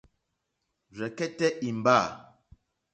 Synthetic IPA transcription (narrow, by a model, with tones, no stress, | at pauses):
ɾɛ˨kɛ˦tɛ˦ʔi˨m˨ba˦˨